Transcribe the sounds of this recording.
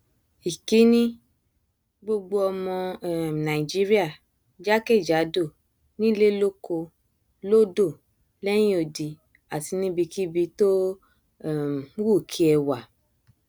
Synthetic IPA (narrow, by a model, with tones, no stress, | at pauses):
i˨ki˨˦nĩ˦ | ɡ͡bo˧ɡ͡bo˦ɔ˧mɔ̃˧ɛ˦˨nã˨i˨d͡ʒi˦ɾi˦a˦˨ | d͡ʒa˦ke˦˨d͡ʒa˨˦do˦˨ | nĩ˦le˦lo˦ko˧ | lo˦do˦˨ | lɛ˦j̃ĩ˦o˨di˨ | a˨ti˧nĩ˦bi˧ki˦bi˧˦to˦˨˦ | wu˦˨kʰi˦ɛ˧wa˨